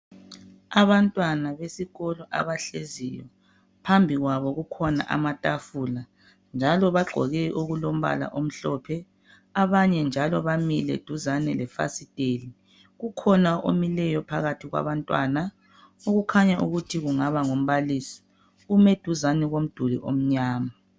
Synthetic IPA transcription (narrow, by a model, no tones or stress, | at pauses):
aβantʼwanaβesiɣɔlɔʔa̰βaɬezijɔ̰ | pʰambʱiɣwaβɔɣukʰɔna̰ʔa̰matʼafula | nd͡ʒʱalɔβaɡ͡ǃʱɔ̰ɣɛʔoɣulom̩βa̰la̰ʔom̩ɬɔpʰɛ | aβaɲɛnd͡ʒʱalɔβamilɛ̰d̥ʱuzanɛlɛfa̰sid̥ʼeːli | ɣukʰɔnaʔo̰milɛjɔpʰaɣatʰiɣwa̰βantʼwa̰na | oɣukʰaɲaʔuɣutʰiɣuŋaβaŋom̩βalisi̥ | umed̥ʱuzanɛɣom̩d̥ʱulḭʔom̩ɲaːma